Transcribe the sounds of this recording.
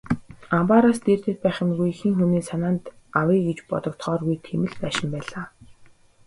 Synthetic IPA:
ampaɾast̪eːrt̪ɘ̆t̪̚pæːχə̆mɣujxiːŋxuniːsanaːnt̪ | awiːɡet͡ɕpɔt̪ɞ̆kt̪χɔːrɣujt̪ʰemɘ̆ɮpæːʃɪ̆mpæːɮaː

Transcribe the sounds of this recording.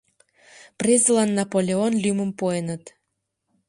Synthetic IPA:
prezlɑnːɑpolʲeonlymə̆mpoenət̪

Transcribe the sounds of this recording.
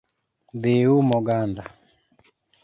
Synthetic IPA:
beumɔɡanda

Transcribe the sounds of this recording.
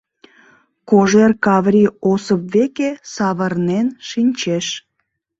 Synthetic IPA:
koʒerkɑβɾʲiosəp̚βekesɑβərnenʃinʲt͡ɕeʃ

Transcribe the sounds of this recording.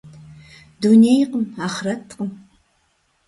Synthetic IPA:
dunejqəmaːχrɐtʰqəm

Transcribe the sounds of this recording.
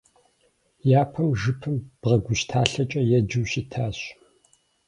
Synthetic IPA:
jaːpʰɐmʒɨpʰɨmb̥ʁɐɡʷʊʃtʰaːɬɐt͡ʃʼɐjɛd͡ʒɨwɕitʰaːɕ

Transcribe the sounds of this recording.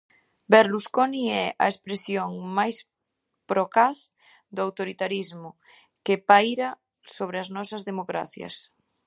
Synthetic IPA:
beɾluskoniɛʔa̰espɾesjoŋmajs | pɾokaθ | d̪oawt̪oɾit̪aɾizmʊ | kepajɾa | soβ̞ɾeaznɔsazðemokɾa̰θja̰s

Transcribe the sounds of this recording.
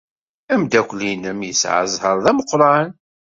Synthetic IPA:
æmd̪ækʷlinəmjəsʕə̰zˤhəɾˤðæməqːɾˤɑn

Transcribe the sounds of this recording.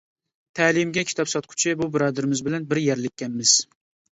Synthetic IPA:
t̪ʰælɪmɡʲɛkʲʰi̥t̪ʰɒpsɒt̪̚qʰʊ̥t͡ʃʰɪbubɪɾɑːd̪ɪɾɪmɪzbɪlɛnbɪɾjæɾlɪkʲːɛnmɪz̥

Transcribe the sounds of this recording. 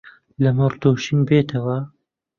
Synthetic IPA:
lɐmɨrd̪oːʃinbeːt̪ʰɐwɐ

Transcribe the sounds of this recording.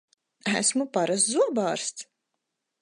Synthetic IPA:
æ̰smupaɾas̬t̪zuɔbaːɾst̪s

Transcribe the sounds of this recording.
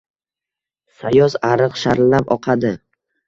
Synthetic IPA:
sajɒzaɾɨqʃaɾlːapɒqʰɑd̪ɪ

